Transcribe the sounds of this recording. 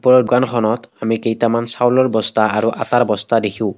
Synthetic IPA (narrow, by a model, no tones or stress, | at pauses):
pɔɹɔdɡankʰɔnɔtamikejtamansawlɔɹbɔstaaɹuʔataɹbɔstadekʰĩʊ̃